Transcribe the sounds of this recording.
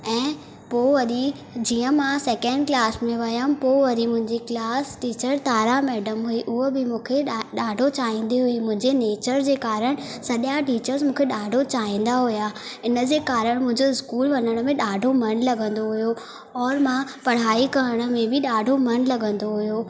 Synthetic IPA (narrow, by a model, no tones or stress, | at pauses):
ɛ̃ː | poːʋɐɾi | d͡ʑiːə̃mãsɛːkɛ̃ɳɖklaːsmẽʋɐjəpoʋɐɾimʊ̃ɦɪ̃ɲd͡ʑeklaːsʈiːt͡ɕəɾt̪aːɾamɛːɖəmɦuiʔʊɦəbɪmũːkʰeɗaːɖʱot͡ɕaːĩːn̆d̪iɦuimʊ̃ɦɪ̃ɲd͡ʑeneːt͡ɕəɾd͡ʑeːkaːɾəɽ̃ | sɐɗjaʈiːt͡ɕəɾzmũːkʰeɗaːɖʱot͡ɕaːĩːn̆d̪aɦujaːɪnəd͡ʑeːkaːɾəɽ̃mʊ̃ɦɪ̃ɲd͡ʑoɪskuːlʋɐnəɽ̃mẽɗaːɖʱomɐnlɐɠə̃nd̪oɦujo | ɔːɾmãpɐɽ̤aːikɐɾəɽ̃ə̆mẽbɪɗaːɖʱomɐnlɐɠə̃nd̪oɦʊjoː